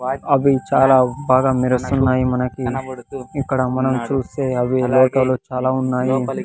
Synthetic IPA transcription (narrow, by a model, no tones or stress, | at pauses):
ɐbʱit͡ʃaːlabʱaːɡamiɾɐsunːaːjimɐnɐki | ikːɐɽamɐnɐmt͡ʃuːseɐbʱileːʈɐlot͡ʃaːlaunːaːji